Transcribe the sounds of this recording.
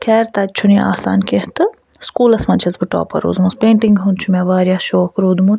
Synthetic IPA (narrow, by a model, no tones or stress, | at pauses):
kʰɛːɾt̪aːt͡ʃʰunia̰ːsa̰ːnkeht̪ɨ | skuːlɐsmɐnt͡ʃʰɐzbɨʈo̰ːpɐ̰ɾṵːzmuspẽːɳʈiŋɡɦunt͡ʃʰumeʋaːɾʲjaːʃoːkɾuːd̪mun